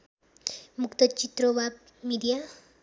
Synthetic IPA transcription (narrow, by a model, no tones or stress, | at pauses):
mukt̪ət͡ɕit̪ɾobʱab̚ | miɖija